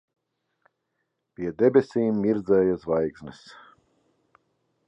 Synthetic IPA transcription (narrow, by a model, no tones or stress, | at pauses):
pʲiɛd̪ɛbʲesʲiːmːʲiɾd̪zɛːjazvajksʲnɨs